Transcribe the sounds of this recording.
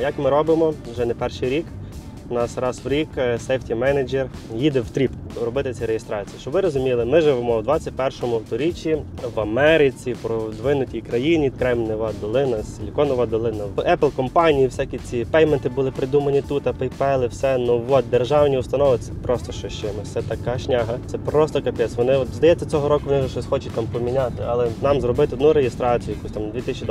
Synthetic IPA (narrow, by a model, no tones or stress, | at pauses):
jɐkmɪɾɔbɪmɔ | ʒɛnɛpɛrʃɪjɾʲik | nɑsɾɑswɾʲiksɛjftʲimɛned͡ʒerjid̪ɛwt̪ɾʲipɾɔbɪt̪ɪt͡sʲɛɾejest̪ɾɑt͡sʲijit͡ʃɔbʋɪɾɔzʊmʲilˠɪmɪʒɪʋemɔwd̪ʋɑt͡sʲːɐt̚ʲpɛrʃɔmʊwt̪ɔɾʲit͡ʃʲːiʋɐmɛɾɪt͡sʲipɾɔwd̪ʋɪnʊtʲijkɾɐjinʲikɾɛmnɪʋɑd̪̚d̪ɔlˠɪnɐslʲikɔnɐʋɑd̪ɔlˠɪnɐɛplˠkɔmpɑnʲijiwsʲakʲit͡sʲipɛjment̪ɪbʊlˠɪpɾɪd̪umɐnʲit̪ut̪ɐpɛjpɛlˠɪwsɛnuʋɔt̪̚d̪erʒɑwnʲiʊst̪ɐnɔʋɪsɛ̥pɾʔɔst̪ɔʃt͡ʃɔʃt͡ʃɛmɪsɛt̪ɐkɑʃnʲaɦɐt̪sɛpɾɔst̪ɔkɐpʲɛsʋɔnɪɔt̪zd̪ɐjɛt͡sʲːɐt͡sʲɔɦɔɾɔkʊʋɔnɪʒɛʃɔsʲxɔt͡ʃʊt̪ɑmpɔmʲinʲat̪ɪɑlˠɛnɑmzrɔbɪt̪ɪɔd̪nuɾejɪst̪ɾɑt͡sʲijʊjɐkusʲt̪ɑmd̪ʋʲit̪ɪsʲt͡ʃʲid̪